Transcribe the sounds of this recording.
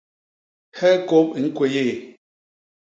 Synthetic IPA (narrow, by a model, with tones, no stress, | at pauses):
hɛ˦ko˦pi˨˦ŋ̩˦kwe˨je˦˨